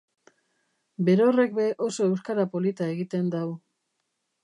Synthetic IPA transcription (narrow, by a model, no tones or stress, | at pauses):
be̞ɾo̞re̞k̚be̞ʔo̞so̞ewskaɾapo̞lit̪ae̞ɣit̪e̞nd̪aw